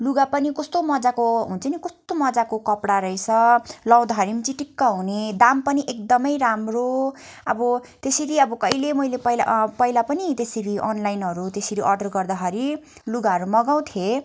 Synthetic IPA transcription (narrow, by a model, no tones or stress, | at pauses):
luɡapʌnikʌst̪omʌd͡zakoɦunt͡sʰʌnikʌst̪omʌd͡zakokʌpɽaɾʌjt͡sʰʌlʌw̃d̪aɦʌɾimt͡siʈikːaɦuned̪ampʌniʔek̚d̪ʌmʌjɾamroʌbʌt̪eseɾiʌbʌkʌjlemʌjlepʌjlapʌjlapʌnit̪eseɾiʔʌnlajnɦʌɾut̪esiɾiʔʌrɖʌrɡʌrd̪aɦʌɾi | luɡaɦʌɾumʌɡaw̃t̪ʰje